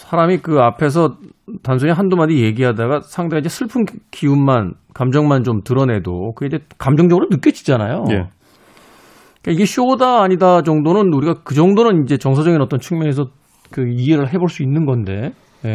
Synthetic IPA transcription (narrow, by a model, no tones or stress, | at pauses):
sʰaɾamikɯapʰe̞s̬ʰʌtansʰuɲiɦandumadije̞ɡiɦadaɡasʰaŋdeaiɲd͡ʑe̞sʰɯɭpʰɯnkiunman | kamd͡ʑʌŋmant͡ɕomtɯɾʌne̞do̰kɯed͡ʑekamd͡ʑʌŋd͡ʑʌɡɯɾonɯk͈jʌd͡ʑi̥d͡ʑanajoe | ik͈aiɡe̞ɕoodaːɲidad͡ʑʌŋdonɯnuɾiɡakɯd͡ʑʌŋdonɯnind͡ʑe̞t͡ɕʌŋsʰad͡ʑʌɡinʌt͈ʌnt͡ɕʰɯŋmjʌŋe̞s̬ʰʌ | kɯieɾɯɭɦe̞boɭs͈uinːɯnɡʌnde̞